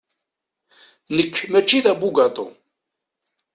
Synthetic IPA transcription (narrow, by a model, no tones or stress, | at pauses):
nəkːmæt͡ʃːiðæbuɡɑt̪ˤo̰